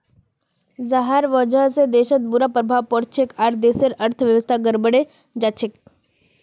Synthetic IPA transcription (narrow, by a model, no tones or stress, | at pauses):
zaɦaɾʋɔd͡ʒaɦsed̪eʃət̪̚buɾapɾəbʱaʋpɔɾt͡ʃʰekaɾd̪eseɾəɾt̪ʰəʋjəʋəst̪ʰaɡəɾbəɽe | d͡ʒat͡ʃʰek